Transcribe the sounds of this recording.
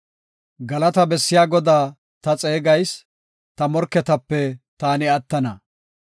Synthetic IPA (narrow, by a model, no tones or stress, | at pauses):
ɡɐlɐt̪ɐbɛsːɪjaːɡɔd̪aː | t̪ɐt͡sʼeːɡɐjs | t̪ɐmɔɾkːɛt̪ɐpːɛt̪aːnɪɐt̪ːɐnɐ